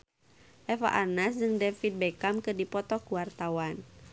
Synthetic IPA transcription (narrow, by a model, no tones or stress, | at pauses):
ʔɛfa̰ʔanasd͡ʒɨŋdɛfit̪̚bɛkamkɨrdipɔt̪ɔkuwart̪awan